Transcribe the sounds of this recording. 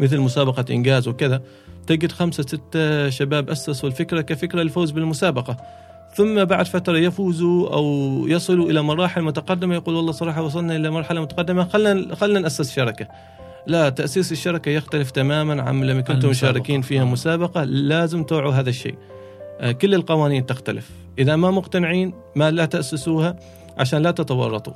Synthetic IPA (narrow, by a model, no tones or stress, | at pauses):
mɪθɪlmʊsaːbɑqɑʔɪ̰nɡaːzwɪkɪða | t̪ɪɡɪd̪xamsasɪt̪ːaʃabaːbʔasːaswɪlfɪkɾakafɪkɾalɪfoːzbɪlmʊsaːbɑqɑ | θʊmːabaʕd̪fat̪ɾˤɑjafuːzuʔa̰wjɑsˤɨluʔɪlamɑɾˤɑːħɪlmʊt̪aqɑd̪ːɪmajaquːlwɑlˤːɑːsˤɑɾˤɑːħɑwɑs̬ˤɑlnaʔɪlamɑɾˤħalamʊt̪ḁqɑd̪ːɪmaxalːnaxalːnanʔasːɪsʃɑɾˤɑka | lat̪ːaʔsiːsɪʃːɑɾˤɑkajɪxt̪alɪft̪amaːmanʕa̰mlamːakʊnt̪ʊmʃaːɾˤɪkiːnfiːhamʊsaːbɑqɑlaːzɪmt̪uːʕuɦaːðaʃːḛː | kʊlːɪlqɑwaːniːnt̪ɪxt̪alɪf | ʔɪðamamʊqt̪anɪʕiːn | malat̪aʔsːɪsuːha | ʕa̰ʃaːnlat̪ɪt̪awɑ̰rˤːɑt̪ˤṵ